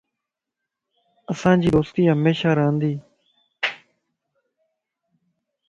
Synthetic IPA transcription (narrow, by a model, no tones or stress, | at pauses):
əsãːd͡ʒiːd̪oːst̪iːɦəmeːʃaːɾəɦənd̪iː